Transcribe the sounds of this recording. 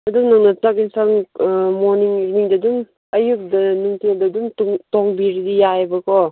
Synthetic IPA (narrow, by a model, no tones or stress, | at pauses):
ɐduŋnaŋnɐtakinsaŋmoɾniŋiniŋdɐdum | ɐjuk̚dɐnuŋtʰeldɐdumtŋtoŋbiɾidijajbɐkʰɔ